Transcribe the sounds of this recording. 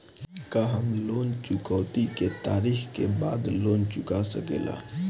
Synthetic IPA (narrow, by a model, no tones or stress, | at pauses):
kaɦɐmloːnt͡ʃʊkɔːt̪iket̪aːɾiːxkebaːd̪loːnt͡ʃʊkasɐkḛːla̰ː